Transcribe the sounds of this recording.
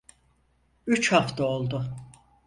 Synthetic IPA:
yt͡ʃhaft̪ʰaolˠd̪ʊ

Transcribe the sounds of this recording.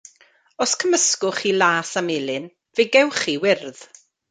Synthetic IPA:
ɔskʰəməskʊχilˠaːsamɪlˠɨn | veɡɛwχiwɪrð̥

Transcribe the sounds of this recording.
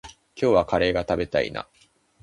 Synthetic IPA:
kʲo̞ːβakaɾe̞ːɡat̪abe̞t̪aḭna̰

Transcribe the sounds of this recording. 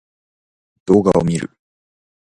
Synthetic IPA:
d̪̥o̞ːɡaomʲiɾɯ̟̰

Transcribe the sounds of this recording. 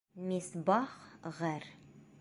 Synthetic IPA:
misbɑχʁæɾ

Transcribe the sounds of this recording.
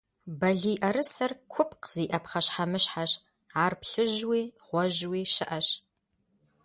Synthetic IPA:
bɐɮiːʔɐɾɨsɐrkʷʰʊpqz̥iːʔɐpχɐɕħamɨʃħaɕ | aːrpɬɨʒwiːʁʷɔʒwiːʃɨʔɐɕ

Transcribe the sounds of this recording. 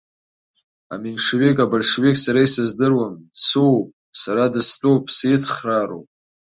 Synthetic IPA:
a̰minʂwekʼabalʂwekʲʼsaɾaisɨzdɨrwamsuwpʼ | saɾadɨstʼowpʼsɪt͡sʰχraro̰pʼ

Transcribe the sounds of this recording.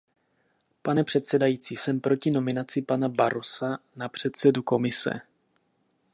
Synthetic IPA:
panɛpr̝̥ɛt̪sɛdajiːt͡siːsɛmpɾo̞cɪno̞mɪnat͡sɪpanabaɾo̞sanapr̝̥ɛt̪sɛduko̞mɪsɛ̰

